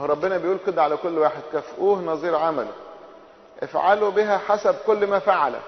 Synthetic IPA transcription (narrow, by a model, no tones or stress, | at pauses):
ɾˤɑbːenæbejʔuːlked̪æʕalækolːwaːħed̪̚kæfʔuːhnɑzˤiːɾʕamælo̰ | ʔefʕalobiɦæħasæbkolːmæfaʕalæ̰